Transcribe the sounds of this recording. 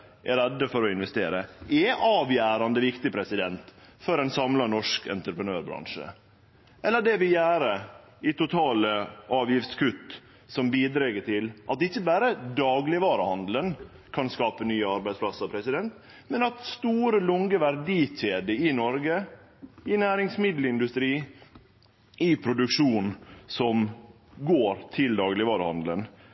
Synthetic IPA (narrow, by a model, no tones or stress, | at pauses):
ʔɛɾɛd̪ːəfɔɾɔɪnʋɛst̪eːɾəʔɛʔɑːʋjæːɾɑnd̪əʋɪkt̪ɪpʰɾɛsɪd̪ɛnt̪fɔɾɛnsɑmlɑnɔʂkɛ̰nt̪ɾəpɾənøːɾbɾɑ̰ŋʂə̰ | ʔɛlːəɖɛʋɪljæːɾə | ɪt̪ʊt̪ʰɑːləʔɑːʋjɪft̪skʉt̪ː | sɔmbiːd̪ɾɛɡəʈɪlʔɑt̪ɪçːəbæːɾəd̪ɑːɡlɪʋɑːɾəhɑnd̪l̩ən | kʰɑnskɑːpənyːəɑɾbæɪd̪spʰlɑsəɾpʰɾɛsɪd̪ɛnt̪ | mɛnɑt̪st̪uːɾəlʊŋɡəʋæɾɖiːc͡çeːd̪əɪnɔɾɡə | ɪnæːɾɪŋsmɪd̪l̩ɪnd̪ʉst̪ɾiː | ɪpʰɾʊd̪ʉkʂuːnsɔm | ɡoːɾt̪ʰɪld̪ɑːɡlɪʋɑːɾəhɑ̰nd̪lə̰n